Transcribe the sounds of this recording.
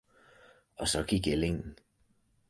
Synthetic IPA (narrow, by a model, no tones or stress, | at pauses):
ɒ̽sɒ̽ɡ̥iɡ̥eleŋn̩